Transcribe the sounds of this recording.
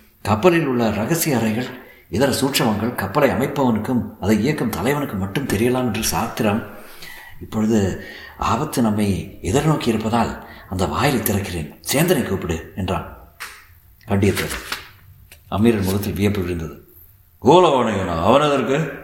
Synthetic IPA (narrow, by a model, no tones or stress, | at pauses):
kɐpːɐlɪlʊɭːɐɾɐɣɐsɪjɐɾɐɪɣɐɭ | ɛðɐɾɐsuːʈʂɐʋɐŋɡɐɭkɐpːɐlɐɪɐmɐɪpːɐʋɐnɯkːɯmɐðɐɪɪjɐkːɐmt̪ɐlɐɪʋɐnɯkːɯmɐʈːɯmt̪ɛɾɪjɐlaːmɛndrɯsaːt̪ːɪɾɐm | ɪpːɔɻɯðɯ | a̰ːbɐt̪ːɯnɐmːɐɪɛðɐɾnoːkiɪɾɯpːɐðaːlɐnd̪ɐʋaːjɪlɐɪt̪ːɪrɐkːɪreːnseːnd̪ɐnɐɪkːuːpːɪɽɯɛndra̰ːn | kɐɳɖɪjɐt̪ːɐðɯ | ɐ̰mːiːɾɐnmʊɣɐt̪ːɪlʋɪjɐpːɯʋɪɾɯnd̪ɐðɯ | ɡoːlɐʋaːɳɐɐna̰ːɐʋɐnɐðɐɾkɯ